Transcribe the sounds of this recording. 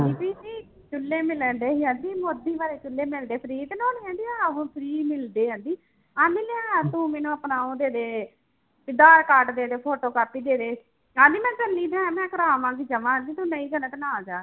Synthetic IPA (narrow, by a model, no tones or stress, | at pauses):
iːpiːsiː | t͡ʃʊlːeːmɪlənd̪eːɦiɦãnd̪iːmoːd̪iːʋaːɾeːt͡ʃʊlːeːmɪld̪eːpʰəɾiːt̪noːnːɛ̃ːnd̪iːãːũːpʰɾiːmɪld̪eːɦə̃ːnd̪iː | ãːd̪ɪːleãːt̪ũːmeːnũːəpnaːõːd̪eːd̪eː | pɪd̪aːɾkaːɾʈd̪eːəd̪eːpʰoːʈoːkaːpːiːd̪eːd̪eː | ãːnd̪iːmɛ̃ːd͡ʒəlːiːd̪ɛ̃ːmɛ̃ːkəɾaːmãːɡiːd͡ʒəʋãːə̃nd̪iːt̪ũːnəiːd͡ʒənək̪naːd͡ʒaː